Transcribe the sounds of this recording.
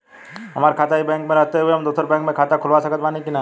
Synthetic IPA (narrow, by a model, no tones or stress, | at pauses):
ɦɐmaːɾkʰaːt̪aɦibɛ̃ːŋkmẽɾɐɦt̪eɦueɦɐmd̪oːt̪əɾbɛ̃ːŋkmẽkʰaːt̪akʰʊlʋasɐkət̪ʋaːnikina